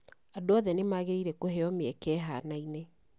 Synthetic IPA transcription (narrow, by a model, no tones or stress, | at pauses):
adoɔðɛnemaɣeiɾɛkoheɔmeɛkɛːɦanaine